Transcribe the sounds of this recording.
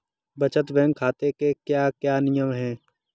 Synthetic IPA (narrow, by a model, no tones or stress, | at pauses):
bət͡ʃət̪ʋɛ̃ːŋɡkʰaːt̪ekekjaːkjaːnɪjəmɦɛ̃ː